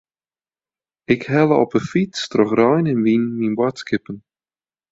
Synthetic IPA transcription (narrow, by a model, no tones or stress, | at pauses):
ɪkhɛlˠəɔpəfitstrɔχrɔjnənʋinminbwatskɪpən